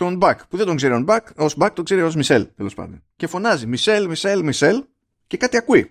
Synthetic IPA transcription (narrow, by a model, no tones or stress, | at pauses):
t̪o̞nbɐkpuðed̪o̞ŋɡzeɾionbɐkozbɐk̚t̪o̞ŋɡzeɾio̞zmise̞̰lt̪e̞lo̞spɐ̰nd̪o̞nce̞fo̞nɐzimise̞lmise̞lmise̞l | ce̞kɐt̪iɐkui